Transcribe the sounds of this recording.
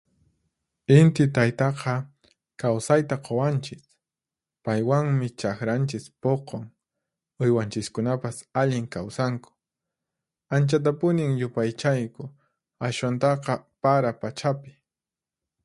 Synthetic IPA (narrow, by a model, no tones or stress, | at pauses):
ɪnt̪ɪt̪ajt̪ɑqʰɑ | kawsajt̪aqʰowant͡ʃɪs | pajwaŋmɪt͡ʃakɾant͡ʃɪspoqʰoŋ | ʊjwant͡ʃɪskʊnapasaʎɪŋkawsaŋkʊ̥ | ant͡ʃat̪̬apʊnɪŋjʊpajt͡ʃajkʊ | aʃwant̪ɑqɑpaɾapat͡ʃapɪ̥